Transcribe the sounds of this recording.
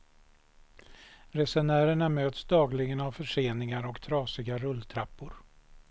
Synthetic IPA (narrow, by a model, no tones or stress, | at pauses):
ɾɛsɛɳæːɾəɳamøːt̪sd̪ɑːɡlɪɡənavfœʂeːnɪŋaɾɔkt̪ʰɾɑːsɪɡaɾɵlːt̪ʰɾapːʊɾ